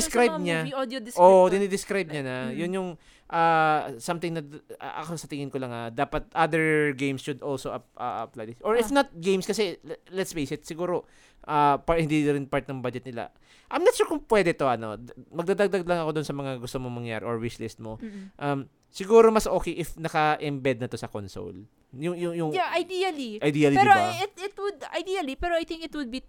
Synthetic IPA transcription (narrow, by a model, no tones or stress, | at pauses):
skɾajb̚ɲadod̪ʔod̪ɪnɪd̪ɪskɾajb̚ɲanɐjʊnjʊŋ | ʔaːsamt̪ɪŋnɐ̰ʔɐ̰kosɐt̪ɪŋɪnkolɐŋɐd̪aːpɐt̪̚ʔad̪ɛɹɡejmsʃʊd̪ʔolsoʔɐʔɐɐplajd̪ʔoɹɪfnɐt̪̚ɡejmskɐsɛlɛt̪sfejsɪt̪sɪɡuːɾo̞ | ʔapahɪnd̪iɐɾɪnpaɹt̪̚nɐŋbad͡ʒɛt̪̚nɪla̰ | ʔɐjmnɐt̪ʃuːɹkʊŋpwɛd̪ɛt̪o̞ʔɐno̞̰mɐɡd̪ad̪aɡ̚d̪aɡlɐŋɐko̞d̪onsɐmɐŋaɡʊst̪omoŋmɐŋja̰ːɾɛʔoɹwɪslɪst̪̚moʔɐm | sɪɡuːɾomɐsʔo̞ːkɛjʔɪfnɐkɐʔɪmbɛd̪̚nɐt̪o̞sɐkonso̰l | jʊŋjʊŋjʊŋjaʔajd̪iɐliʔɐjd̪iːɐliɛɾoɪt̪ɪt̪wʊd̪a̰jd̪iɐlipɛɾoajt̪ɪ̃ŋkɪt̪wʊd̪̚bi